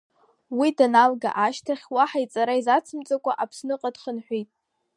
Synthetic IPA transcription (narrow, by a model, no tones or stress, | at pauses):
widanalɡa̰ʔaʃtʰaχʲwaħait͡sʼaɾaizat͡sʰɨmt͡sʼakʷʼaʔapʰsnɨqʼadχənħʷijtʼ